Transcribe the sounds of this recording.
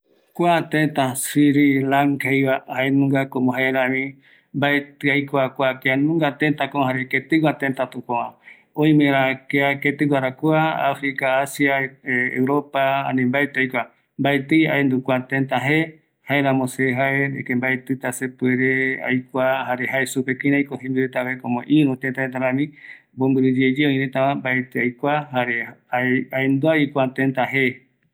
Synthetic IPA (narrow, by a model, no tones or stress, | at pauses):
kʷat̪ẽnt̪asiɾilaŋkajβahaenũŋɡakomõɦaeɾãβĩ | mbaet̪ɨajkʷakʷakeanũŋɡat̪ent̪akoɦaɾeket̪ɨwat̪ent̪at̪ũkõã | oĩmẽɾakeaket̪ɨwʷaɾakwaa̰fɾikaːsjaḛwɾopaa̰nĩmbaet̪ɨajkʷa | mbaet̪ɨja̰end̪ukʷat̪ent̪aɦe | haeɾãmõseɦaeḛkembaet̪ɨt̪asepueɾea̰jkʷahaɾeɦaesupekĩnajkoɦĩmbiɾet̪aβekõmõʔiɾũt̪ent̪aet̪̬aɾãmĩmbombɨɾɨd͡ʒed͡ʒeõĩnẽt̪aβãmbaet̪ɨajkʷaɦaɾeaaend̪uaikʷat̪ent̪aɦe